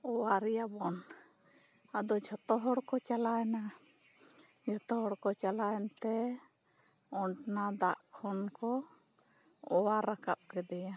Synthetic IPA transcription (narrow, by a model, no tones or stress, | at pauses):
ɔwaɾɛjabɔn | ad̪ɔd͡ʒʱɔt̪ɔɦɔɽkɔt͡ʃalajna | d͡ʒʱɔt̪ɔɦɔɽkɔt͡ʃalajnt̪ɛ | ɔɳʈnad̪aʔkʰɔnkɔ | ɔwaɾaka̰p̚kɛd̪ɛja